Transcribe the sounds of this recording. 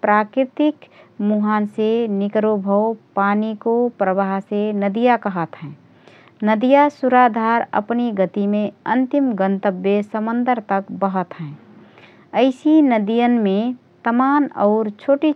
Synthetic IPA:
pɾaːkɾɪt̪ɪkmuɦaːnsenɪkɾobʱəwpaːnikopɾəbaːɦɦsenəd̪ijakəɦət̪ɦɛ̃ː | nəd̪ijasuɾad̪ʱaːɾə̰pniɡət̪imẽə̃nt̪ɪmɡənt̪əbjəsəmə̃nd̪əɾt̪əkbəɦət̪ɦɛ̃ː | əɪsinəd̪ijənmẽ | t̪əmaːnɔʊɾt͡ʃʰoːʈi

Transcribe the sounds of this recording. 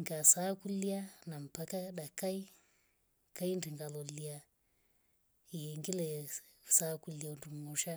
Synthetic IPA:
ŋɡasakulianam̩pakaɗakai | kaindiŋɡalɔlia | ijɛŋɡilɛ | sakuliandumuʃa

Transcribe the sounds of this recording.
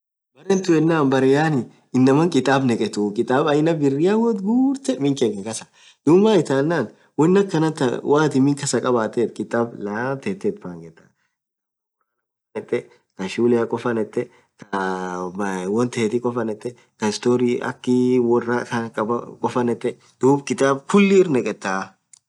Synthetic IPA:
bɐɾɛnt̪ʊɛnːaːnbɐɾɪjaːnɪ | ɪnːɐmɐŋkʼɪt̪ʼaːbnɛkʼɛt̪ʊkʼɪt̪ʼaːbɐjnɐbɪrːɪjawɔt̪ɡuːɾt̪ɛmɪŋkeːkɛkɐsɐ̥ | d̪ʊmːaːɪt̪aːnːaːn | wɔnːɐkːɐnɐt̪ɐwaːt̪ɪmɪŋkɐsɐkʼɐbaːt̪ːeːt̪̚kʼɪt̪ʼaːblat̪et̪ːeːt̪faːŋɡɛt̪ːɐ̰ | ɔ | ɐnɛt̪ːɛ | kɐʃuːlɪɐkʼɔfɐnɛt̪ʼːɛ | kɐ | wɔnt̪ɐhet̪ɪkʼɔfɐnɛt̪ːɛ | kɐɪst̪oːɾiʔɐ̰kːɪwɔrːɐkɐkʼɐbɐ̰kʼɔfɐnɛt̪ːɛ | d̪̥uːbkʼɪt̪ʼaːbfʊlːɪːɾnɛkʼɛt̪ːaː

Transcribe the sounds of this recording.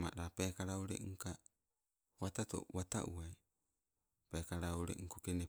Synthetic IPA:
ma̰ʔɾapekaɾauɾḛŋka | watato̰wata̰ʔṵaj | pekaɾauɾḛʔŋkukene

